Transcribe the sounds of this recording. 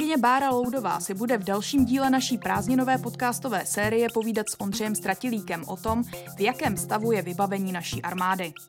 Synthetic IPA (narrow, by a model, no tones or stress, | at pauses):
ɪɲɛbaːɾalowdo̞va̰ːsɪbudɛvdɛlʃiːmɟiːlɛnaʃiːpɾaːzɲɪno̞vɛːpo̞t̪kaːst̪o̞vɛːsɛːɾɪjɛpo̞viːdat̪sʔo̞ndrɛjɛmst̪ɾacɪliːkɛmʔot̪o̞mvjakɛːmst̪avujɛvɪbavɛɲiːnaʃiːʔaɾmaːdɪ